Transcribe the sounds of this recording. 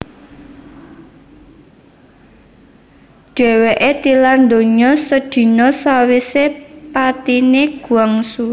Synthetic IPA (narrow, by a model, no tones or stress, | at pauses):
ɖ̥ɛ̤weʔet̪ilarnd̪o̤ɲɔsəd̥i̤nɔsawisepat̪ineɡ̥ṳaŋsu